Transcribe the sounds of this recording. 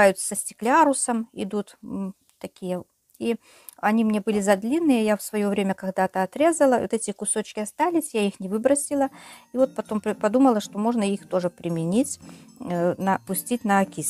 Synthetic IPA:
ajʊt̪ssəsʲtʲɪ̥klʲaɾʊsəmɪ̰d̪ut̪ | t̪ɐkʲijə | i | ɐnʲimnʲe̞bɨlʲɪzɐd̪lʲinːɨjəjafsvɐjo̞vɾʲemʲəkɐɡd̪at̪əɐt̪ɾʲe̞zəlˠəot̪ɛtʲɪkʊso̞t͡ɕkʲɪɐst̪alʲɪsʲjaixnʲɪvɨbɾəsʲɪlˠəivo̞t̪̚pɐt̪o̞mpɐd̪uməlˠəʂt̪o̞mo̞ʐnəixt̪o̞ʐɨpɾʲɪmʲɪnʲitʲ | nəpʊsʲtʲitʲnəɐkʲis

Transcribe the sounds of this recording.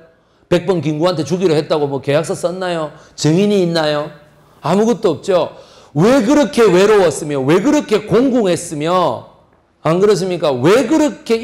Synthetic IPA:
pe̞k̚p͈ʌnkiŋɡuɦantʰe̞t͡ɕuɡiɾɯɭɦe̞t̚t͈aɡomwʌke̞jak̚s͈ʌs͈ʌnːajo | t͡ɕɯŋiɲiːnːajo | amuɡʌt̚t͈oʌp̚t͡ɕ͈o | weɡɯɾʌkʰe̞we̞ɾowʌs͈ɯmjowe̞ɡɯɾʌkʰe̞koŋɡuŋɦe̞s͈ɯmjʌ | anɡɯɾʌs̬ʰɯmɲik͈awe̞ɡɯɾʌkʰe̞

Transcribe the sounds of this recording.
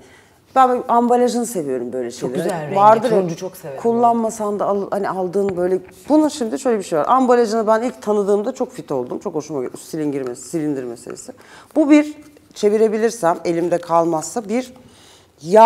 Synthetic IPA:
b̥ænambalʲaʒɯnɯse̞vijo̞ɾumbø̞jlʲɛʃejlʲeɾvaɾd̪ɯɾt͡ʃʰokekʰulˠːanmasand̪aːlˠhanialˠd̪ɯːnbø̞jlʲɛ | b̥unuʃimd̪iʃøjlʲebiʃejva̰ɾʔambalʲaʒɯnɯbænilc̚t̪ʰanɯd̪ɯːmd̪at͡ʃʰo̞kfit̪ʰo̞lˠd̪umt͡ʃʰo̞kho̞ʃumasilʲinɟiɾmesilʲind̪iɾmesḛlʲḛsɪ | bubiɾ | t͡ʃʰe̞viɾe̞bilʲiɾsæme̞lʲimd̪ɛkʰalˠmasːabiɾ | ja

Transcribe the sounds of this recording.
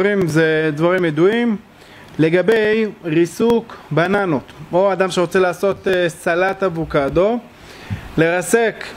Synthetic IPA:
ʁimzed̪vaʁimjed̪uim | le̞ɡabe̞jʁisukbananot̪oad̪amʃeʁot͡selaːso̞t̪esalat̪abukad̪o̞ | le̞ʁasek

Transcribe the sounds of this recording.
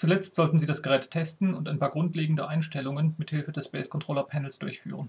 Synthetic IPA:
t͡sulɛt͡stz̥ɔltn̩ziːdasɡ̥əʁɛːtʰːɛstn̩ʊntaɪnpaːɐɡʁʊntleːɡŋ̩dəʔaɪnʃtɛlʊŋənmɪthɪlfədɛsb̥ɛːskʰɔntʁ̥oːlɐpʰɛnl̩sd̥ʊɐçfy̰ːʁən

